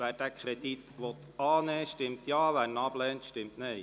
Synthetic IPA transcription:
ʋæːɾd̥æːkʰɾɛd̥̪it̪ʋɔt̪ɑːnɛːʃtɪmt̪jɑːʋæːɾnɑb̥lɛːnt̪ʃtɪmtnɛɪ

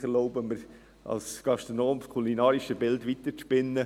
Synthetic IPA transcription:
χɛɾloʊbəməɾ | ɑ̰lskɑʃtɾonoːmkʰulinɑːɾiʃəbɪltʋit̪əɾspɪnːə

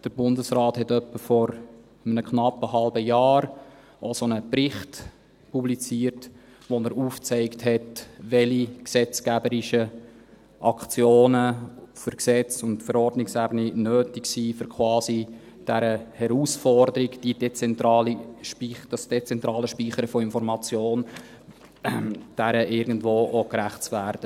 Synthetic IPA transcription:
d̥əɾbʊndəsrɑːthɛtœpːəfɔɾ | əmənəkχnɑpːəhɑlbəjɑːɾ | osonəpɾɪχt | publit͡siːəɾt | ʋonəɾuːft͡sɛɪkthɛtʋɛliksɛt͡skæbəɾɪʃə | ʔɑkt͡sjoːnəføɾksɛt͡sʊntfəɾɔrdnɪksæbəninøːtɪksiːfʏɾkʰχwɑːsi | d̥æɾəhɛɾuːsfɔrdəɾikd̥id̥ɛt͡sɛntɾɑːliʃpid̥ɑsd̥et͡sɛntɾɑːləʃpiːχəɾəfɔɪnfɔɾmɑt͡sjoːn | d̥æɾəʔɪɾɡən̩dvoːʔokɾæχtt͡svæːɾd̥ə

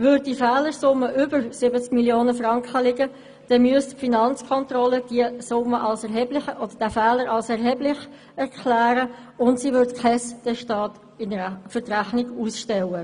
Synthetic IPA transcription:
vʏd̚difɛːləɾsʊmːəʔʏbəɾsɪbət͡skmiljoːnəfrɑŋkχəlɪɡə | d̥ɛmyəstfinɑnt͡skʰɔntrɔləd̥iəsʊməʔɑlsɛɦɛblɪəɔd̥əd̥æfæːləɾɑlsɛʁɦɛblɪχ | ɛʁkʰlæːɾə | ʊntsiːʋʏɾtkχɛsd̥ɛʃtɑːt | ɪnfʏɾtræχnɪɡuːsʃtɛwə

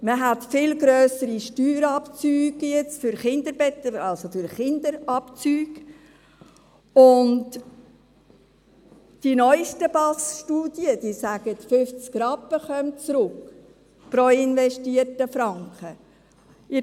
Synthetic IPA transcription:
məɦætfɪlɡɾøːsəɾiʃtyːɾɑpt͡syːɡ̥jɛt͡sfʏɾχɪnd̪əɾbɛt̪əɾɑlsofʏɾχɪndəɾɑpt͡syːɡ | ʊnt | d̥inɔʏʃtəb̥ɑsʃtuːdjəd̥isæɡ̥ətfʏft͡skɾɑpːəχœmt͡sɾʊk | pɾoɪnvɛʃtiəɾtəfɾɑŋkχə | ɪ

